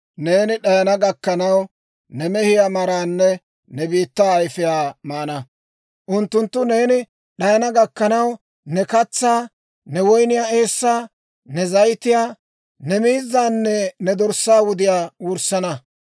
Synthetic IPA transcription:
neːnɪɗɐjɐnɐɡɐkːɐnɐw | nɛmɛhɪjamɐɾaːnːɛ | nɛbiːt̪ːaːjfɪjaːmaːnɐ | ʔʊnt̪ːʊnt̪ːʊne̞ːnɪ | ɗɐjɐnɐɡɐkːɐnɐw | nɛkɐt͡sːaː | nɛwɔjnɪjaːe̞ːsːaː | nɛzɐjt̪ːɪjaː | nɛmiːzːaːnːɛnɛd̪ɔɾsaːwʊd̪ɪjaːwʊɾsɐnɐ

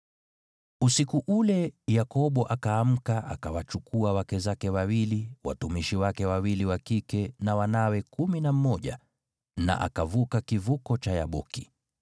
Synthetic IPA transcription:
usikuʔulɛjakɔɓɔʔakaːm̩kaʔa̰kawat͡ʃukuawakɛzakɛwawiliwa̰tumiʃiwakɛwawiliwakikɛnawanawɛkuminam̩mɔʄa | na̰ʔa̰kavukakivukɔt͡ʃaja̰ɓɔki

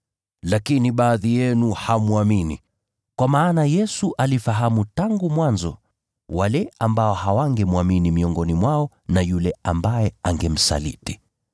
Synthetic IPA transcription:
lakiniɓaːðijɛnuhamuaminḭ | kwamaːnajɛsuʔalifaɦamutaŋɡumwanzɔ̰ | walɛambaɔhawaŋɡɛmuaminimiɔŋɡɔnimwaɔ | najulɛambajɛaŋɡɛm̩sa̰lḭti̥

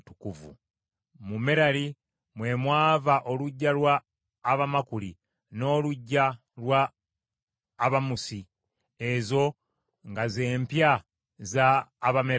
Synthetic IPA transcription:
tukuvṵ | mume̞ɾali | mwe̞mwaːvaʔo̞luɟːalwaː | βamakuli | no̞ːluɟːa | lwa | βamusi | e̞zo̞ | ŋɡaze̞ːmpja | zaːβame

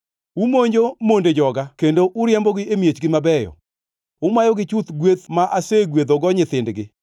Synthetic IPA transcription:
umoɲd͡ʒomonded͡ʒɔɡakendoʔʊɾjɛmbɔɡɪemjet͡ʃɡɪmabɛjɔ̰ | ʊmajɔɡɪt͡ʃut̪ɡwet̪maʔaseɡwed̪oɡɔɲɪt̪ɪndɡɪ

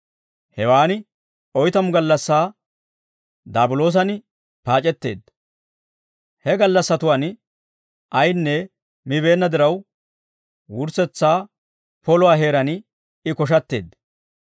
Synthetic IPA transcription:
hɛwaːnɪ | ɔjt̪ɐmʊɡɐlːɐsːaː | d̪aːbʊlo̞ːs̬ɐnɪ | paːt͡ʃʼɛt̪ːe̞̰ːd̪ | hɛɡɐlːɐsːɐt̪ʊwaːn | ʔɐjnːɛ | mɪβe̞ːnːɐd̪ɪɾɐw | wʊɾsɛt͡sːaː | pɔlʊwaːɦe̞ːɾɐn | ɪkɔʃ̬ɐt̪ːe̞̰ːd̪

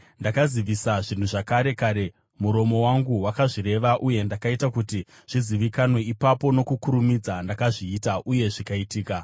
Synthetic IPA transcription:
ndakaziʋisaʐin̤uʐakaɾe̞kaːɾe̞ | muɾo̞mo̞waŋɡuwakaʐiɾe̞ʋaʔuje̞ndakaitakuti | ʐ̥iziʋikanwe̞ipapo̞no̞kukuɾumid͡zandakaʐiːtaʔuje̞ʐikaitiːka

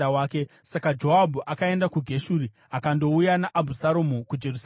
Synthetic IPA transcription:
waːkesakad͡ʒo̞ɦabʱuʔakae̞ndakuɡʱe̞ʃuːɾi | akando̞ujanaʔabʱusaɾomukud͡ʒe̞rus

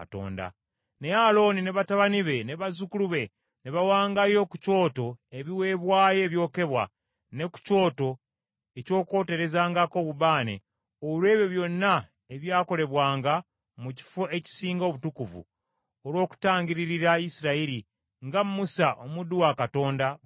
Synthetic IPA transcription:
to̰ːnda̰ | ne̞alo̞nine̞βataβaniβe̞neβazukuluβe̞ | neβawaːŋɡajo̞kuco̞ːto̞e̞βiwe̞βwaːje̞ːβjo̞ːke̞βwa̰ | ne̞ku̥co̞ːto̞ | e̞co̞ːko̞ːte̞ɾe̞zaːŋɡako̞βuβaːnḛ | olwe̞ːβjo̞βjo̞nːa | eβjaːko̞le̞βwaːŋɡa | muci̥foeci̥siːŋɡo̞ːβutukuvṵ | olwo̞ːku̥taːɲɟiɾiɾiɾaisiɾaiɾi | ŋɡammusaʔomuduwakato̞ːnda

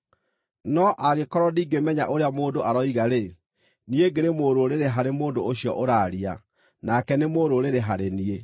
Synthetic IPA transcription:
nɔʔaɣekɔɾɔdiːɡemɛɲa̰ʔoɾeamoːndoʔaɾɔiɣaɾe | nieɡeɾemoɾoɾeɾeɦaɾemoːndooɕiɔ̰ʔoɾaɾia | nakɛnemoːɾoɾeɾeɦaɾenie

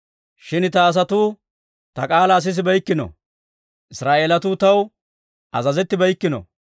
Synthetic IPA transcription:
ʃɪnt̪ɐːs̬ɐt̪uː | t̪ɐkʼaːlɐːs̬ɪs̬ɪbɐjkːɪnɔ̰ | ʔɪsɾaːʔeːlɐt̪uːt̪ɐw | ʔɐzɐzɛt̪ːɪbɐjkːɪnɔ̰

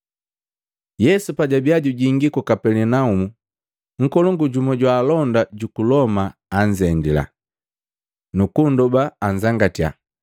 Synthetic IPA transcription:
jɛsupaɟabiaɟuɟiŋɡikɔkapɛlɛnaumu | ŋ̩kɔlɔŋɡuɟumɔɟwaːlɔndaɟukulɔmaːɲzɛndila̰ | nukundɔbaːɲzaŋɡatia̰

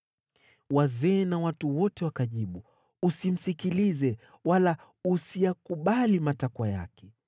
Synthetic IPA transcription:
wazɛːnawatuwɔtɛwakaʄiɓu | usim̩sikilizɛ | wala | usijakuɓalimatakwaja̰kɛ

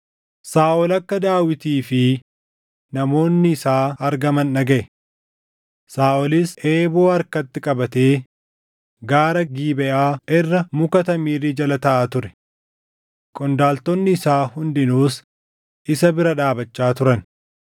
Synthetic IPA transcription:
saːʔɔlɐkːɐd̪aːwɪt̪iːfɪ | nɐmo̞ːnːɪːsaːɐɾɡɐmɐnːɐɡɐʔɛ | saːʔɔlɪsʔeːboːɐɾkɐt̪ːɪkʼɐbɐt̪e̞ː | ɡaːɾɐɡiːbɛʔaːʔɛrːɐmʊkɐt̪ɐmiːrɪd͡ʒɐlɐt̪ɐʔaːt̪ʊɾɛ̥ | kʼɔnd̪aːlt̪ɔnːɪːsaːhʊnd̪ɪnuːs | ʔɪsɐbɪɾɐᶑaːbɐt͡ʃːaːt̪ʊɾɐn

